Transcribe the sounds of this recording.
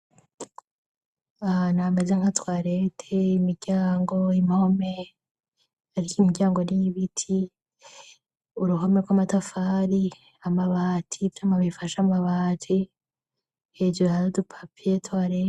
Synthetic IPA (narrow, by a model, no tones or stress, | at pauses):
anamezeŋhatwaːɾe̞tʰeimiɾɟ̥aːŋɡo̞imihome | aɾikimiɡɟaːŋɡoniβitʰi | uɾuɦomekɡwamatafaːɾi | amaβaːtʰifjamaβifaʃamaβaːtʰi | heːd͡ʒuaɾodupʰḁpʰietwaːɾe